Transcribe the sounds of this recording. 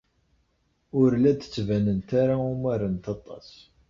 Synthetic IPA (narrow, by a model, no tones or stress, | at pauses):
ʊɾlæd̪t͡sːvænənt̪aɾaʊmæɾənt̪ɑt̪ˤɑ̰s